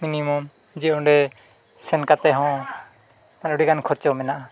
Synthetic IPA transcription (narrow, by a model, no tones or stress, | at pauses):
minimɔm | d͡ʒiɔ̃ɖɛ | sɛnkat̪ɛɦɔ̃ | manuɽikankʰɔɾt͡ʃɔmɛnaʔa